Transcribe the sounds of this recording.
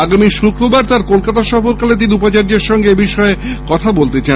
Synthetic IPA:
aɡamiʃukɾobaɾt̪aɾkolkat̪aʃɔfoɾkalet̪̬iniupat͡ɕaɾd͡ʑeɾʃɔŋɡeebiʃɔekɔt̪ʰabolt̪et͡ɕa

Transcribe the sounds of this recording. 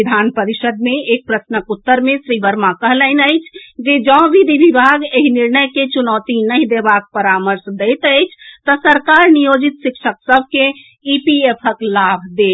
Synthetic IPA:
id̪ʱanpəɾiʃəd̪meek̚pɾəsnəkut̪ːəɾmẽsɾibəɾmakəɦləɪnəjt͡ʃʰd͡ʒed͡ʒɔ̃bid̪ʱibʱibʱaɡeɦiniɾnəjket͡ʃunɔːt̪inəĩd̪ebak̚pəɾaməɾsd̪əjt̪əjt͡ʃʰt̪ɔsəɾkaɾnijod͡ʒit̪ʃikʃʰəksəbʱke | ipiepʰəklabʱd̪e

